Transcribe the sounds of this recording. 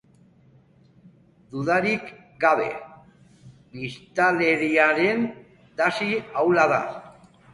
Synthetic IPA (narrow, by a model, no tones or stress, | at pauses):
d̪uðaɾik | ɡaβe̞̰ | bist̪ale̞ɾiaɾe̞n | t̪asiawlaða̰